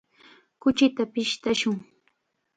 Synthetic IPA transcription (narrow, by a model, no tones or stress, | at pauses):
kʊt͡ʃɪt̪apɪʃt̪aʃʊŋ